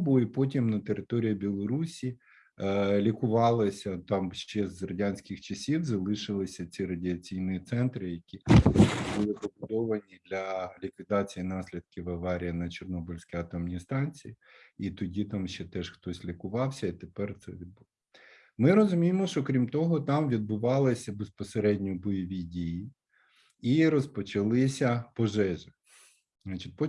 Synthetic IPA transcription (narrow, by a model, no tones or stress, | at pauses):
bʊipɔt̬ʲimnɐt̪eɾɪt̪ɔɾʲijɐbʲilˠɔɾusʲi | lʲikʊʋɑlˠɪsʲɐt̪ɑmʃt͡ʃɛzrɐdʲanʲsʲkʲɪxt͡ʃɐsʲiwzɐlˠɪʃɪlˠɪsʲɐt͡sʲirɐdʲɪɐt͡sʲijnʊjit̪sɛnt̪ɾɪjɐkʲibulˠɪpɔbʊd̪ɔʋɐnʲid̪lʲɐlʲikʋʲid̪ɑt͡sʲijinɑsʲlʲid̪̚kʲɪʋɐʋɑɾʲijɐnɐt͡ʃɔrnɔbʊlʲsʲkʲiɐt̪ɔmnʲijst̪ɑnʲt͡sʲijiit̪ɔdʲit̪ɑmʃt͡ʃɛt̪ɛʃxt̪ɔsʲlʲikʊʋɑwsʲɐit̪epɛrt̪sɛ̰ʋʲid̪̚bʊɔ | mɪɾɔzʊmʲijemɔʃt͡ʃɔkɾʲimt̪ɔɦɔt̪ɑmʋʲid̪̚bʊʋɑlˠɪsʲɐbespɔseɾɛdʲnʲɔbɔjɔʋʲidʲiji | iɾɔspɔt͡ʃɐlˠɪsʲɐpɔʒɛʒɪ | znɑt͡ʃit̚ʲpɔ